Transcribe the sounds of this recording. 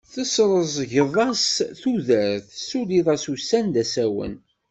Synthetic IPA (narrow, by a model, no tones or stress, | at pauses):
θəsɾˤəzˤʝəðˤɑsθuðəɾθsuliðˤɑsusænd̪æsæwə̰n